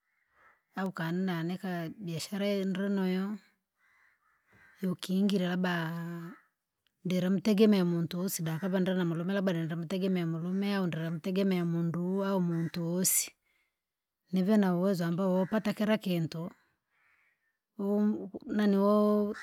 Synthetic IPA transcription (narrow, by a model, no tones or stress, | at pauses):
aukaninanɛkabiaʃaɾandɛnɔjɔ | jɔkiːŋɡiɾɛlaba | ndɛɾɛmutɛɡɛmɛamuntuɔsidapaβandɾɛnamulumɛlabadɛnɛɾɛmutɛɡɛmɛamulumɛaundɛɾamutɛɡɛmɛamunduaɔmuntuɔsi̥ | nɛvɛnauwɛzwambaɔpatakɛɾakɛntɔ | naniwɔ